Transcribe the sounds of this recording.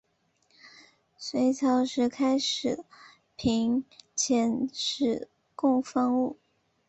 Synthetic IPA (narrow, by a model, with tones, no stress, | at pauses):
swe˧˥ɪt͡ɕʰjɑ˧˥ʊʂɻ̩˧˥˩kʰa˥ɪʂɻ̩˨˩ | pʰi˧˥ŋt͡ɕʰjɛ˧˥nʂɻ̩˨˩ | kʊ˥˧ŋfɑ˥˧ŋu˥˩